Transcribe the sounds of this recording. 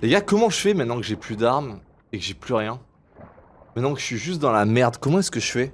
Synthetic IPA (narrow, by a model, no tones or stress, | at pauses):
leɡakɔmɑ̃ʒəfɛmɛ̃t̪nɑ̃kəʒeplyd̪aʁm | ekəʒeplyʁjɛ̃ | mɛt̪nɑ̃kə̥ʃɥiʒyst̪̚d̪ɑ̃lamɛʁd̪kɔmɑ̃ɛskəʃfɛ